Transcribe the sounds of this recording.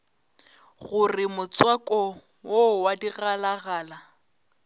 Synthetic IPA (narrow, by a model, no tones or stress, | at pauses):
ɣʊrɪmʊt͡swakʼɔ | wowadiɣalaɣaːla